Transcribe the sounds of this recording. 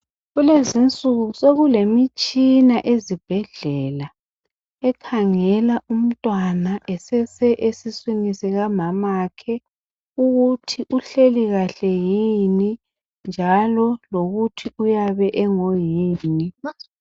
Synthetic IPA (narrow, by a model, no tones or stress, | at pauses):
ɣulezint͡sʼuɣusoɣulemit͡ʃʼinaʔezib̥ʱɛɮɛla | ɛkʰaŋɛlaʔum̩tʼwanaʔɛsɛsɛʔesiswinisɛɣamamakʰɛ | uɣutʰiʔuɬeliɣaɬɛjini | nd͡ʒʱalɔloɣutʰiujaβɛʔɛŋojiːni